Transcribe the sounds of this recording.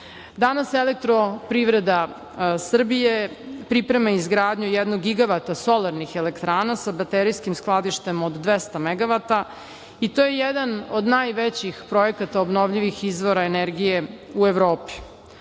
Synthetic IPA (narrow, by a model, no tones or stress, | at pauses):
d̪anaselek̚t̪ɾopɾiʋɾed̪a | sr̩bijepɾipɾemaizɡɾaːd̪ɲujɛd̪noɡːiɡaʋat̪aso̞laɾnixelekt̪ɾaːnasabat̪eɾijskimsklˠad̪iʃt̪e̞mod̪ːʋest̪ameɡaʋat̪a | it̪ojejɛd̪anod̪naːjʋet͡ɕixpɾo̞jekat̪aobno̞ʋʎiʋixizʋo̞ɾaeneɾɡijeueʋɾoːpi̥